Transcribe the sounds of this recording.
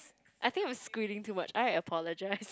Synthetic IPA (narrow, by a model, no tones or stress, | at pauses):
ʔajθɪ̃ŋkãɪ̃skwiɾɪ̃ŋtʰuːmat͡ʃaɪɹaəpʰɔləd͡ʒaɪs